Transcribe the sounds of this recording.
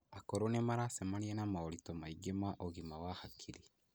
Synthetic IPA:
akoɾonemaɾasemaniɛnamaɔlitɔmaiɡemaʔoɣimawahakʰiɾi

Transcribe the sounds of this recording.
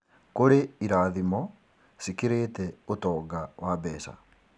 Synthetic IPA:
koɾeiɾaːðimɔ | sikiɾeːtɛotɔːɡawʔabɛːsa̰

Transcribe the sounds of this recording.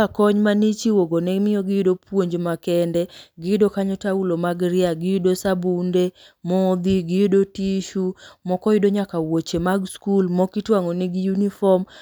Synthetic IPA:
akɔɲmanit͡ʃiwoɡonɛmɪɔɡɪjɪdopwoɲd͡ʒmakɛndɛɡɪɪdokaɲɔtaulomaɡɾɪaɡɪjʊdosabunde | mɔd̪iɡɪjudotiʃumɔkɔjɪdoɲakawot͡ʃemaɡskulmɔkɪtwaŋɔnɪɡɪjunifɔm

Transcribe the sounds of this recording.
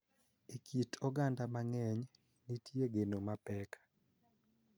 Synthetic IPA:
ekʰitʰɔɡandamaŋɛɲ | nitjeɡenomapɛkḁ

